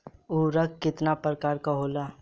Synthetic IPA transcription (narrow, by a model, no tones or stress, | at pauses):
uɾəkkːɪt̪napɾəkaːɾkaɦoːlaː